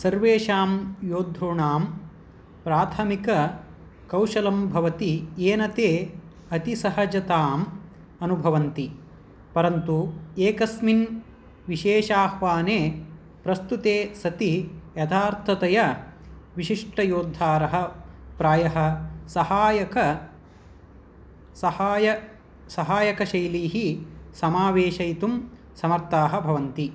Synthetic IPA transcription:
sɐɾʋeːʃaːmjoːd̪ʱuɳaːm | pɾaːt̪ʰɐmikɐ | kɐwʃɐlɐmbʱɐʋɐt̪ieːnɐt̪eː | ɐt̪isɐɦɐd͡ʒɐt̪aːm | ɐnubʱɐʋɐnt̪i | pɐɾɐnt̪ueːkɐsmin | ʋiʃeːʃaːhʋaːneː | pɾɐst̪ut̪eːsɐt̪ijɐt̪ʰaːɾt̪ʰɐt̪ɐjɐ | ʋiʃiʂʈɐjoːd̪ʱːaːɾɐɦɐ̆pɾaːjɐɦɐ̆sɐhaːjɐkɐ | ɐhaːjɐ | sɐɦaːjɐkɐʃɐjliːɦisɐmaːʋeːʃɐjt̪um | sɐmɐɾt̪aːɦɐ̆bʱɐʋɐnt̪i

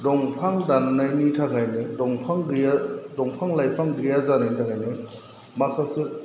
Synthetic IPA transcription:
dɔŋpʰaŋdanːajnitʰaɡajnɯdɔŋpʰaŋɡɯjadɔŋpʰaŋlajpʰaŋɡɯjazanajntʰaɡajnɯ | makʰasɯ

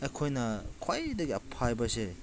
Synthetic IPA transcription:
ejkʰojnɐkʰwajdɐɡiɐpʰajbɐse

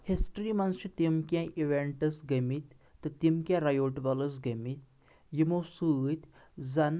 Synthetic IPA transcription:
hisʈɾimɐnst͡ʃit̪imkʲjãʔiʋeɳʈɐsɡəmit̪ː | ɨt̪imkʲjãɾajoʈbɐləs̬ɡəmit̪ | jimosɨt̪ʲ | zɐn

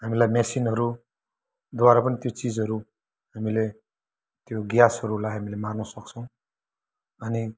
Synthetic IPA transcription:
ɦamilajmesinɦʌɾu | d̪waɾapʌnit̪jot͡sid͡zʌɾu | hamile | t̪joɡjasʌɾulajɦamilemarnʌsʌk̚t͡sʰʌ̃w̃ | ʌni

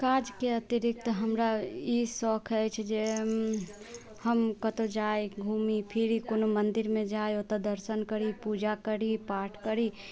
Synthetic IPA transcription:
kaːd͡ʒkeət̪ɪɾɪk̚t̪ɦəmɾajisɔːkʰɛt͡ʃʰd͡ʒe | həmkət̪od͡ʒaːeɡʱuːmipʰɪɾikonomənd̪ɪɾmẽd͡ʒaːeot̪əd̪əɾsənkəɾipud͡ʒakəɾipaːʈʰkəɾi

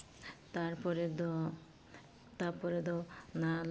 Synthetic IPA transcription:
t̪aɾpɔɾed̪ | t̪aɾpɔɾed̪ɔnal

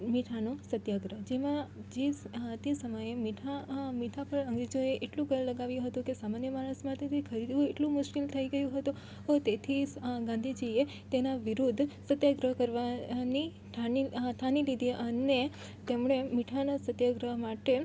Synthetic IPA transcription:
miʈʰanosət̪jaɡɾəɦd͡ʒemãd͡ʒet̪esəməjemiʈʰamiʈʰapəɭə̃ŋɡɾid͡ʒoeʔeʈlũkəjləɡaʋjũɦət̪ũkesamanjəmaɾəsmãt̪ʰet̪ʰikʰəɾid̪ũeʈlũmʊʃkilt̪ʰəiɡəjũɦət̪ũ | ɦot̪et̪ʰiɡãnd̪ʱid͡ʒie | t̪enaʋiɾud̪ʱsət̪jaɡɾəɦkəɾʋani | t̪ʰanit̪ʰanilid̪ʱiʔəne | t̪emɳemiʈʰanasət̪jaɡɾəɦmaʈe

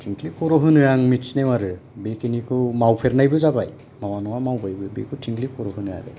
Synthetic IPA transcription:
tʰiŋklipʰɔɾɔɦɯnɯaŋmit͡ʃnewaɾɯbekinikʰumawpʰeɾnajbɯzabaj | mawanɔwamawbajbɯbḛkʰutʰiŋklikʰɔɾɔɦɯnɯa̰ɾɯ̰

